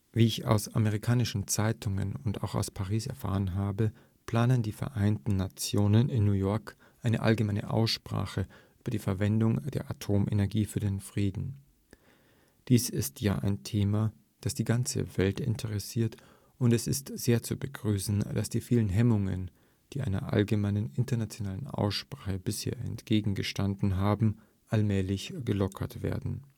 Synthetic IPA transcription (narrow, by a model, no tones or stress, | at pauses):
viːɪça̰ʊsa̰meʁ̞ɪkʰaːnɪʃn̩t͡saɪtʰʊŋə̰nʊnta̰ʊxa̰ʊspʰaʁ̞iːsɛ̰ɐfa̰ːʁənɦaːbə | pʰl̥aːnəndiːfɛɐʔaɪntn̩nat͡sjoːnənɪnːuːjɔɐk | ʔaɪnəʔa̰lɡəmaɪnə̰ʔa̰ʊsʃpʁ̥a̰ːxəʔyːb̥ɐdiːfɛɐvɛndʊŋd̥ḛːɐʔatʰoːmʔḛnɛɐɡiːfyːɐdenfʁ̥iːdn̩ | d̥iːsɪstja̰ːʔa̰ɪntʰeːma | d̥asd̥iːɡant͡sə̰vɛltɪ̰ntʰəʁɛsiːɐt | ʔʊntɛsɪstz̥eːɐt͡subəɡʁyːsn̩d̥asd̥iːfiːlənɦɛmʊŋə̰n | d̥iːʔaɪnɐ̰ʔa̰lɡəmaɪnənɪntɐnat͡sjonaːlənʔa̰ʊsʃpʁ̥aːχəbɪshḛːɐɛ̰ntɡ̥eːɡŋ̩ɡəʃtandn̩ɦaːbm̩ | ʔalmɛːlɪçɡ̥əlɔkʰɐtv̥ḛːɐdn̩